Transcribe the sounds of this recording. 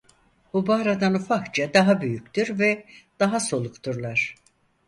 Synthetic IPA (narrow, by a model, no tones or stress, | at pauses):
bubaːɾad̪anufakt͡ʃʰad̪aɦabyjyc̚t̪iɾvɛd̪̥aɦaso̞lˠukt̪ʰuɾlˠaɾ̥